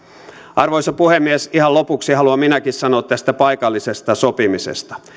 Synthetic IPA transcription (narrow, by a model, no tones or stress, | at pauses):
ʔɑrʋoisɑpuhemːiesihɑlopuksihɑluɑminækissɑnoːt̪t̪æst̪æpɑikɑlːisest̪ɑsopimisḛst̪ɑ̥